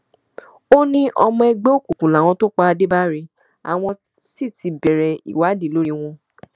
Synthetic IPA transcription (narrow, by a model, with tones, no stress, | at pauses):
o˦nĩ˦ʔɔ˧mɔ̃˧ɛ˧ɡ͡be˦o˦˨ku˨kũ˨la˨w̃ɔ̃˧to˦k͡pa˧a˧de˦ba˦ɾi˧ | a̰˨w̃ɔ̃˧ | si˦˨ti˧bɛ˨ɾɛ˨ḭ˨wa˨˦di˦˨lo˦ɾi˧w̃ɔ̃˧